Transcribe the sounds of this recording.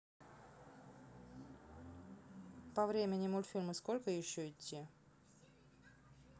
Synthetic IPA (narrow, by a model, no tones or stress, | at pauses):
pɐvɾʲemʲɪnʲɪmulʲfʲilʲmɨsko̞lʲkəjɪɕːoɪt̪ʲːi